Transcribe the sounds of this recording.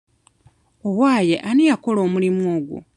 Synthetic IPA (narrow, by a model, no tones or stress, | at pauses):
owaːje̞̰ʔanijako̞lo̞ːmulimuoːɡṵ